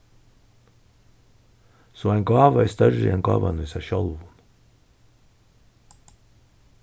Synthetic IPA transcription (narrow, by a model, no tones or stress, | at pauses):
soːæɪŋɡɑːʋəæːst̪œɾə̰ɛnɡɑ̰ːʋɑ̰nəiːsæʃœlʋʊn